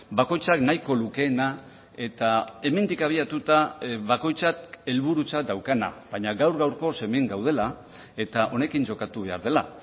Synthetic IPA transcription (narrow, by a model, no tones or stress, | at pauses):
bako̞jt͡saknajko̞luke̞ːna | e̞t̪ae̞me̞nd̪ikaβ̞iat̪ut̪aβako̞jt͡sate̞lβuɾut͡sad̪awkana̰βaɲaɣawɾɣawɾko̞se̞meŋɡawð̞e̞la | e̞t̪aʔo̞ne̞kind͡ʒo̞kat̪uβe̞aɾð̞e̞la